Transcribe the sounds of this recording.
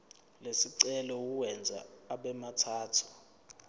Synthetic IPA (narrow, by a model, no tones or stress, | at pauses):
lesiǀɛlɔwuwɛnd͡zʱa̰ːɓɛmatʰaːtʰu̥